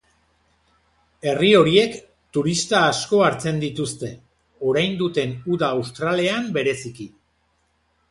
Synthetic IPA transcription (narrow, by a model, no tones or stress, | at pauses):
e̞rio̞ɾie̞k | t̪uɾist̪aːsko̞aɾt͡se̞nd̪it̪ust̪e̞ | o̞ɾajnd̪ut̪e̞nuðaːwst̪ɾale̞ambe̞ɾe̞siki